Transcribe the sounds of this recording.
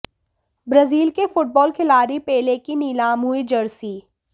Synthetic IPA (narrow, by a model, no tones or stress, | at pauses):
bɾɐziːlkefʊʈ̚bɔːlkʰɪlaːɾipɛːlekiniːlaːmɦuid͡ʒɐɽsiː